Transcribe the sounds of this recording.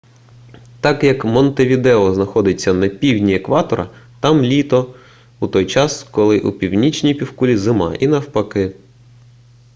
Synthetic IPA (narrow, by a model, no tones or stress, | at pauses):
t̪ɑkjɐkmɔnt̪eʋʲid̪ɛɔznɐxɔd̪ɪt͡sʲːɐnɐpʲiwʲnʲiekʋɑt̪ɔɾɐ̰t̪ɑmlʲit̪ɔ | ut̪ɔjt͡ʃɑskɔlˠɪʔupʲiwnʲit͡ʃnʲijpʲiwkulʲizɪmɑ̰ʔinɐwpɐkɪ